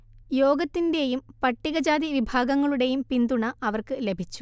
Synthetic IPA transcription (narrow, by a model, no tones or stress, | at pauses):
joːɡɐt̪ːinde̞jumpɐʈːiɣɐd͡ʑaːd̪iʋibʱaːɡɐŋːɐɭuɽe̞jumpind̪uɳɐɐʋɐrkɨle̞bʱit͡ɕːu̥